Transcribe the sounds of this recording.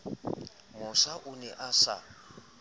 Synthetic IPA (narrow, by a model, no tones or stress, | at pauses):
mʊsaʔʊnɛʔasa̰